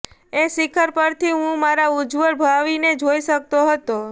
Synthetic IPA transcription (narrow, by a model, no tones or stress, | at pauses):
esɪkʰəɾpəɾt̪ʰiɦũmaɾaud͡ʒʋəɭbʱaʋined͡ʒoiʃək̚t̪oɦət̪o